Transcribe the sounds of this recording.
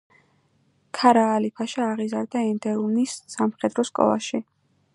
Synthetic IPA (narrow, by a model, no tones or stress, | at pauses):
kʰaɾaːlipʰaʃiaʁizaɾd̪aɛnd̪ɛunisːamχɛd̪ɾɔskʼɔ̰lˠa̰ʃi